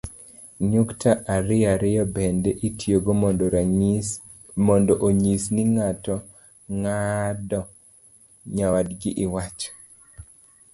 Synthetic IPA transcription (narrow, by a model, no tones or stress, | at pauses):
ɲuktʰaʔaɾɪjaɾɪjɔbɛndɛʔitʰjoɡomɔdɔɾ | mɔndɔʔoɲisniŋatɔ | ŋadɔ | ɲawadɡɪʔɪwat͡ʃɔ̥